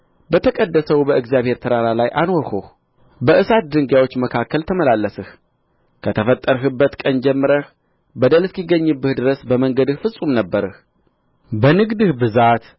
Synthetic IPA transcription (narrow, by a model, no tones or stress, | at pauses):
bət̪ʰəkʼəd̪ːəsəwbəɨɡzijaβhe̞ɾt̪ʰəɾaɾalajʔanwɔɾhoh | bəʔɨsat̪̚d̪ɨŋɡjawo̞t͡ʃːməkʰakːəlt̪ʰəməlalːəsɨh | kʰət̪ʰəfət̪ʼːəɾɦɨbːət̪kʼənd͡ʒɛmːɨɾəh | bəd̪əlɨskiɡːəɲːɨbːɨhd̪ɨɾəsbəməŋɡəd̪ɨhfɨsʼumnəbːəɾɨh | bənɨɡd̪ɨhbɨzat̪